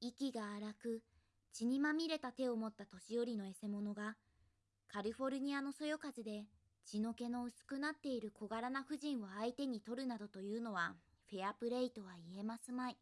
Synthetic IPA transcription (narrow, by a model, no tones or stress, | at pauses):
ikʲiɡaːɾakɯ̟ | t͡ɕiɲ̟imamʲiɾe̞t̪at̪e̞o̞mo̞t̪ːat̪o̞ɕijo̞ɾʲino̞e̞se̞mo̞no̞ɡa | kaɾʲiɸo̞ɾɯ̟ɲ̟iano̞so̞jo̞kaʑɨd̪e̞ | t͡ɕino̞ke̞no̞ɯ̟sɨ̥kɯ̟nat̪ːe̞iɾɯ̟kʰo̞ɡaɾanaɸɯ̟ʑĩɰ̃βaait̪e̞ɲ̟it̪o̞ɾɯ̟nad̪o̞t̪o̞jɯ̟ːno̞βa | ɸe̞apɯ̟ɾe̞it̪o̞βaie̞masɨmai